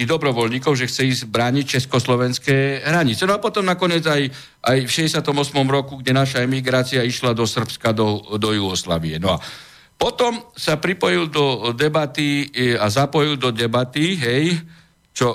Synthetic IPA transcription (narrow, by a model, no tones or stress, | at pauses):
iɦd̪ɔbɾɔʋɔlɲiːkɔʊʒɛxt͡sɛiːzbɾaːɲic̚t͡ʃɛskɔslɔʋɛnskɛːɦɾaɲit͡sɛnɔapɔt̪ɔmnakɔɲɪɛd͡zaj | ʔajfʃɛɟɛsɪat̪ɔmɔsmɔmɾɔkuɡɟɛnaʃaɛmiɡɾaːt͡siaiʃlad̪ɔsr̩pskad̪ɔd̪ɔjuɔsla̰ːʋiɛnɔa̰ | pɔt̪ɔmsapɾipɔjild̪ɔd̪ɛbat̪iazapɔjild̪ɔd̪ɛbat̪iɦɛj | t͡ʃɔ